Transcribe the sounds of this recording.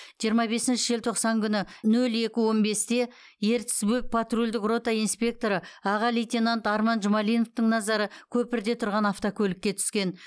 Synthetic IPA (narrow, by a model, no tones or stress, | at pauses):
ʒijəɾmɑbe̞sɪnʃɪʒelt̪ʰo̞qsɑŋkʲʰʏnɪnɵle̞kʲɪwo̞nbe̞st̪e̞ | je̞ɾt̪sbuk̚pʰat̪rulʲd̪ɪkro̞t̪ɑinspʲe̞k̚t̪o̞ɾəɑʁɑlijt̪ʲinant̪ɑɾmɑnʒʊmɑlijnoft̪əɴnɑzɑɾəkʲʰɵpɪɾd̪e̞t̪ʰʊɾʁɑnɑft̪okʲʰɵlɪkʲːe̞t̪ʰʏ̥skʲe̞n